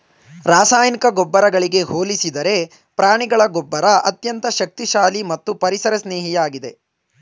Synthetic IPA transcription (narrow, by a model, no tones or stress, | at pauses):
ɾaːsaːjnikɐɡɔbːɐɾɐɡɐɭiɡe̞ɦoːlisid̪ɐɾe̞ | pɾaːɳiɡɐɭɐɡɔbːɐɾɐɐt̪jɐnt̪ɐʃɐk̚t̪iʃaːlimɐt̪ːupɐɾisɐɾɐsneːɦijaːɡid̪e̞